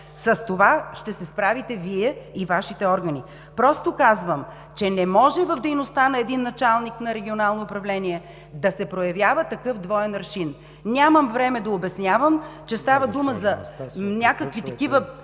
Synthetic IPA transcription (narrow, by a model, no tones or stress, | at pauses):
sɐst̪ovaʃt̪ɛsɛspɾavit̪ɛviɛivaʃit̪ɛɔɾɡɐni | pɾɔst̪okazvəm | t͡ʃɛnɛmɔʒɛvɐvd̪ɛjnost̪anɐɛd̪inːɐt͡ʃalˠniknɐɾɛɡʲionalˠnoːpɾɐvlɛniɛ | d̪ɐsɛpɾojɐvʲjavət̪ɐkɤfd̪vɔɛnɾʃin | nʲaməmvɾɛmɛd̪ɐobɛsnʲjavəmt͡ʃɛst̪avəd̪uməzɐnʲakəkvit̪ɐkivə